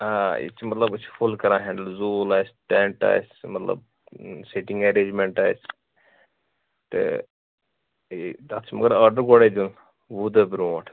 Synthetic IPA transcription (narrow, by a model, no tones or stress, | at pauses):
aḭt͡ʃʰmɐt̪lɐbut͡ʃʰfulkɐɾãːɦɛ̃ːɳɖəlzuːlaːjsʈeɳʈa̰ːjsmɐt̪lɐ̰b̚ | seʈĩŋɡɐɾeːd͡ʒmẽɳʈaːjs | t̪ɨ̰ | id̪at̪ʰt͡ʃʰmɐɡəɾaːɾɖəɾɡoɽed̪ul | ʋuːd̪ɐbɾũʋaːʈʰ